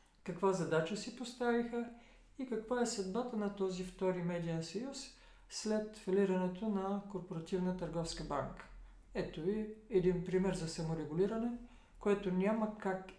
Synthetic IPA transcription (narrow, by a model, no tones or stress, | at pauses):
kɐkvazɐd̪at͡ʃəsipost̪avixə | ikɐkvaɛsɐd̪bat̪ənɐt̪ɔzift̪ɔɾimɛd̪iɛnsɐjus | slɛt̪fɐliɾɐnɛt̪ʰonɐkoɾpoɾɐt̪ivnət̪əɾɡɔfskəbaŋkə̥ | ɛt̪oiɛd̪inpɾimɛɾzɐsɐmoɾɛɡuliɾɐnɛ | koɛt̪onʲamɐkak